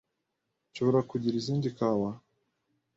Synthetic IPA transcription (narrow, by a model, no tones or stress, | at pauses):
ʃoβoɾakuɟiɾiziːndikawa